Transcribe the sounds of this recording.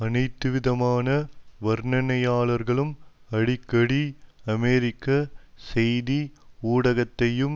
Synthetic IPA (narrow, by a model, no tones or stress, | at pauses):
ɐnɐɪt̪ːɯʋɪðɐmaːnɐʋɐɾɳɐnɐjaːɭɐɾɣɐɭɯm | ɐɽɪkːɐɽiɐmeːɾɪkːɐsɛjðiuːɽɐɣɐt̪ːɐjɯm